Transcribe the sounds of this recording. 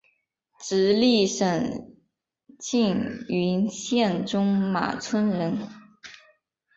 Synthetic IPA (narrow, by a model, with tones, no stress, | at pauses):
ʈ͡ʂɻ̩˧˥li˥˩ʂə˨˩ŋ | t͡ɕi˥˩ny˧˥nɕjɛ˥˩nʈ͡ʂʊ˥ŋma̰˨˩t͡sʰwə˥nɻə˧˥n